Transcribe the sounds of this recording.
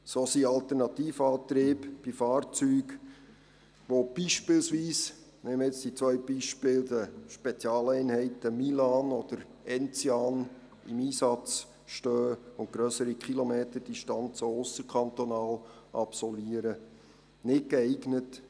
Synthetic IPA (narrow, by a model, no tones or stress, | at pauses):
soːsiɑlt̪ɛɾnɑt̪iːfɑːt̪ɾeːpb̥ifɑːrt͡syːɡ | ʋob̥iʃpɪlsʋiːs | nɛməɪt͡sd̥it͡sʋœʏb̥iʃpɪːld̪əʃpɛt͡sjɑːlɛɪnhɛɪtəmilɑnɔd̥̪əɾ | ɛnt͡sjɑn | ɪmiːsɑt͡s | ʃtøːʊntɡ̥ɾœsəɾikχilomeːt̪əd̥iʃtɑnt͡soʊsəɾkʰχɑnt̪onɑːlʔɑpsɔlviəɾə | nɪtkɛɪɡnət